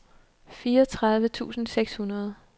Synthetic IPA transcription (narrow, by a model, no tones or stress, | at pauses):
fiːɐɒt͡sʰʁɑ̈ð̞ˠʋət͡sʰṵːsn̩seɡ̥shunɐð̞ˠ